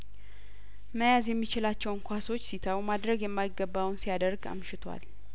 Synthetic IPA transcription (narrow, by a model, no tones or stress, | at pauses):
məjazjɛmːit͡ʃɪlat͡ʃːɛwŋkʰʷaso̞t͡ʃːsit̪ʰawumad̪ɾəɡjɛmːajɪɡːəbːawnsijad̪əɾɡa̰mʃɪt̪ʰwa̰l